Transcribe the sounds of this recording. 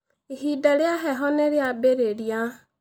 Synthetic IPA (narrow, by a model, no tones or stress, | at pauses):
eɦidaɾjaɦɛɦɔneɾeabeɾeɾja